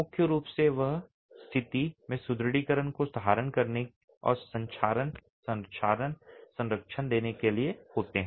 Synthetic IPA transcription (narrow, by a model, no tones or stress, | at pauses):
mʊkʰːjəɾuːpseʋəɦ | st̪ʰɪt̪imẽsʊd̪ɾɽiːkəɾənkosd̪ʱaːɾənkɐɾne | ɔ̰ːɾsɐ̃ɲt͡ʃʰaːɾən | sɐ̃nt͡ʃʰaːɾənsɐ̃nɾəkʃʰənd̪eːnekeliehoːt̪eɦɛ̃ː